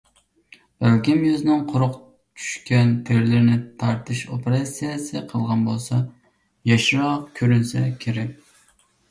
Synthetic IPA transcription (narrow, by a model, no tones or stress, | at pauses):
b̥ælkʲimjøzɪnɪŋqʰʊɾʊq | t͡ʃʰy̥ʃkʲɛnt̪ʰeɾlɪɾnɪt̪ʰɑɾt̪ʰɨʃopeɾɑsijesɨqʰəlˠʁɑnbolˠsɑ | jɑʃɾɑqkʲʰøɾynsɛkʲʰeɾɛkʲ